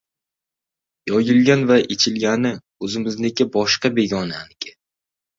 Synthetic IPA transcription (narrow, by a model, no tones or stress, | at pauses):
jɒjɪlˠɡʲanvaʔet͡ʃʰɪlɡʲanɪ | ɵzɪmɪznekʲɪbɒʃqɑbe̞ɡʲɒnaːnɪkʲʰɪ